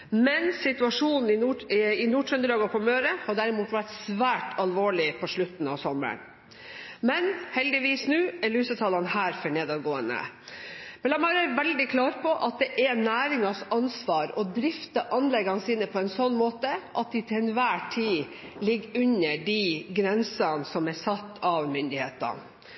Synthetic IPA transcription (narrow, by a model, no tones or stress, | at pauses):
mɛnsɪt̪ʉɑʂuːnn̩ɪnuɪnuːʈʰɾɛnd̪əɾɑːɡɑpʰɔmøːɾəhɑɖæɾɪmuːt̪ʋæʈsʋæːʈʰɑlʋoːɭɪpʰɔʂɭʉt̪n̩ɑ̰ʋsɔmə̰ɳ | mɛnhɛld̪ɪʋiːsnʉːɛɾlʉːsət̪ʰɑːlɑnhæːɾfœɳeːd̪ɑɡoːənə̰ | b̥ɛlɑmøːɾəæɾʋɛld̪ɪkʰlɑːɾpʰɔʔɑt̪̚d̪ɛʔɛnæːɾɪŋɑsɑnsʋɑːɾɔd̪ɾɪft̪ɑʔɑnlɛɡɑnsiːnəpʰɔɛnsɔnːmoːt̪əʔɑt̪̚d̪ɪt̪ʰɪlɛnʋæːʈʰiː | lɪɡːʉnːəɖiɡɾɛnsɑnsɔmæsɑt̪ːɑʋmʏnd̪ɪheːt̪ə̰n